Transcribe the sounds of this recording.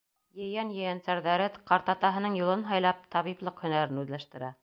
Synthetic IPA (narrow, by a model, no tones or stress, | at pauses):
jɘ̆jænjɘ̆jænsæɾðæɾɘqɑɾt̪ɑt̪ɑɦɤ̆nɤɴjulˠɤnɦɑjlˠɑp̚t̪ʰɑβiplˠɤqhɵ̆næɾɘnʉðlæʃt̪ɘ̆ɾæ